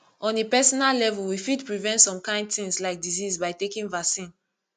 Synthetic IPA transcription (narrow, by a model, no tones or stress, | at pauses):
ɔ̃nepɛsɔnallɛvulwifidpɹivɛ̃ntsɔ̃mkãɪ̃ndθĩŋslaɪk̚dizizbaɪtekĩnvasĩn